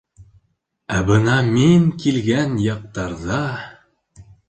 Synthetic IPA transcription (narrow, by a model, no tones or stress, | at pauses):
æbɤnɑmiŋkilɡænjɑq̚t̪ɑɾðɑ